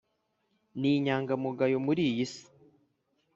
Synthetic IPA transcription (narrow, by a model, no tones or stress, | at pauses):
niɲaːŋɡamuɡajomuɾiːjisi̥